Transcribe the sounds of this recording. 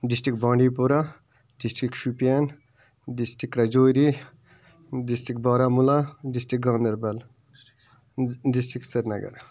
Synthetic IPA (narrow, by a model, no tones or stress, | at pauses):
ɖisʈɾik̚bɔɳɖipuɾa | ɖisʈikʃupijan | ɖisʈikɾɐd͡ʒoːjɾi | ɖisʈikbɔɾamulaɖisʈik̚ɡɔ̃nd̪ɐɾbɐl | ɖisʈɾiksɐɾnɐɡɐ̰ɾ